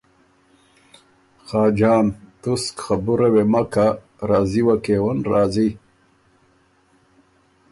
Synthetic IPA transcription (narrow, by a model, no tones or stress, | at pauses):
xɑːd͡ʒɑːnt̪uskxabuɾɐwemaka | ɾaːziwakewɐnɾaːzi